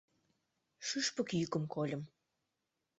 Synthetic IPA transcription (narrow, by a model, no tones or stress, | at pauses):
ʃɨʃpə̆kjykə̆mkolʲə̆m